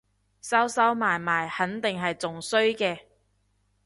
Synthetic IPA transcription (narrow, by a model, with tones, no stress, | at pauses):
sɐ˥wsɐ˥wmaː˨˩jmaː˨˩jhɐ˨˥nt̪ɪ˨ŋɦɐ˨jt͡sʊ˨ŋsɵ˥ɥkɛː˧